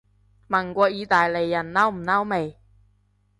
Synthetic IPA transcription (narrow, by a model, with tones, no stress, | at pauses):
mɐ˨˩nkʷɔː˧jiː˨˧˥t̪aː˨jle˨˩jːɐ˨˩nnɐ˥wm̩˨˩nɐ˥wme˨j